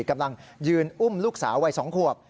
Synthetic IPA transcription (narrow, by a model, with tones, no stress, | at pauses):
ka˧mla˧ŋjɯː˧nʔu˥˩mluː˥˩k̚sa̰ː˩˦wa˧jsɔː˩˦ŋkʰu˨˩əp̚